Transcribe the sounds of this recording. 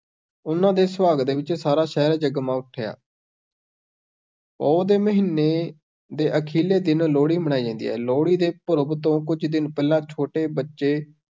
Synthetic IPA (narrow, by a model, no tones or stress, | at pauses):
ʊnãːd̪eːsəʋaːɡ̪̚d̪eːʋɪt͡ʃsaːɾaːʃɛːɾd͡ʒəɡmãːʊʈʰːeːja̰ː | ɔːd̪eːməɦiːnːeː | d̪eːʔəkʰiːleːd̪ɪnloːɽiːməɽ̃aːiːd͡ʒãːnd̪ḭːɦɛ̰ːloːɽiːd̪eːpʊɾbt̪õːkʊd͡ʒd̪ɪnpɛːlãːt͡ʃʰoːʈeːbətːʃeː